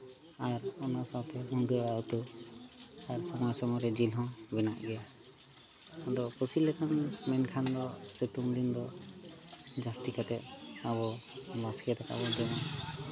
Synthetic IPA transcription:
aɾɔnasawt̪ʰɛɦuŋɡuaut̪u | aɾsɔmɔjsɔmɔɾɛd͡ʒilɦɔ̃ | bɛnaʔɡɛ | ad̪ɔkusilɛkʰanmɛnkʰand̪ɔ | setumd̪ind̪ɔ | d͡ʒastikat̪ɛt̚ | aβɔ | baskɛt̪aka̰bɔd͡ʒɛna

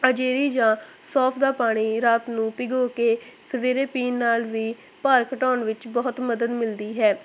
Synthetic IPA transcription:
əd͡ʒeːɾiːd͡ʒãːsɔːpʰd̪aːpaːɽ̃iːɾaːt̪nũːpɪɡoːkeːsəʋeːɾeːpiːnːaːlʋiː | paːɾkəʈɔːnʋɪt͡ʃbɔːt̪məd̪əd̪mɪld̪iːɦɛː

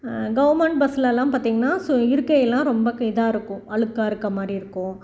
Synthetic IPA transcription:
ɡɐʋɐɾmɐɳʈ̚bɐslɐːlːãːpaːɾt̪iːŋɡɐnːaːsɪɾɯkːɐjɛlːãːɾɔmbɐkɐɪðaːɪɾɯkːʊ̃ɐɭɯkːaːɪɾɯkːɐmaːd̪ɾiɪɾɯkːʊ̃

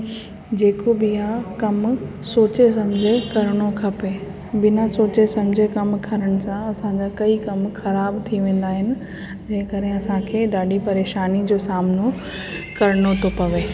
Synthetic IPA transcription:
d͡ʑeːkobɪjakɐm | soːt͡ɕes̬ɐmd͡ʑʱekɐɾɽ̃okʰɐpe | bɪnasoːt͡ɕesɐmd͡ʑʱekɐmkʰɐɾəɽ̃̆sãɐsãɲd͡ʑakɐikɐmxɐɾaːbt̪ʰiʋẽːn̆d̪aːɦɪnɪ̆ | d͡ʑɐ̃ːɦɪ̃kɐɾɦẽɐsãkʰeːɗaːɖʱipɐɾeːʃaːnid͡ʑoːsaːmno | kɐɾɪɽ̃ot̪ʰopɐʋeː

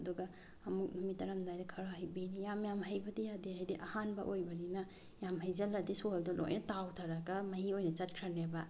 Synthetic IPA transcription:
ɐduɡɐ | ɐmuk̚numitɐɾamdajdɐkʰɐɾaɦɐjbinijamjamɦɐjbɐdijadiɦajdiʔɐhanbɐ̰ʔojbɐninɐ | jamɦɐjzɐlːɐdisoldulo̰jnɐtawtʰaɾaɡamɐɦiojnɐt͡ʃɐt̚kʰɾaneba

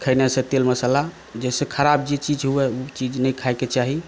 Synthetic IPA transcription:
kʰənesẽt̪elməsəla | d͡ʒɛsekʰəɾabd͡ʒet͡ʃid͡ʒɦuɛut͡ʃid͡ʒnəjkʰajket͡ʃaɦi

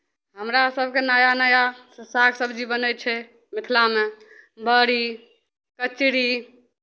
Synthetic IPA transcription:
ɦəmɾasəbʱkenajanəjassakʰsəbʱd͡ʒibənɛt͡ʃʰɛ | mit̪ʰlame | bəɾi | kət͡ʃɽi

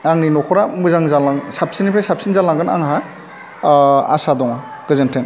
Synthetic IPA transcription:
aŋninɔkʰɔɾamɯzaŋzalaŋsap̚sinipʰɾasap̚sinzalaŋɡɯna̰ŋɦa | a̰sadɔŋa | ɡ̥ɯzɯntʰeŋ

